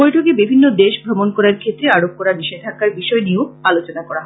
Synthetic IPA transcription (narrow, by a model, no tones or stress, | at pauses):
ojʈʰokebibʱinːod̪eʃbʱɾomonkɔɾaɾkʰet̪ːɾeaɾob̚kɔɾaɾniʃed̪ʱakaɾbiʃɔenioalot͡ɕonakɔɾaɦɔ